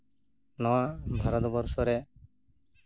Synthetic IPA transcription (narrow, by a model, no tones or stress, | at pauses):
nɔwabʱaɾɔt̪bɔɾsɔɾɛ